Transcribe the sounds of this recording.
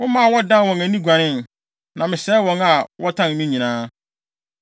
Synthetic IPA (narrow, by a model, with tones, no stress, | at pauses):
wʊ̃˦mã˦˨wɔ˦dã˦n˨wɔ̃˨ŋæ̃˨nĩ˦ɡʷa˨nɪ̃˦n | nã˨mɪ̃˨ɕɛ˦wɔ̃˨ŋa˨wɔ˦tʰã˦n˨nĩ˦ɲĩ˨nãː˦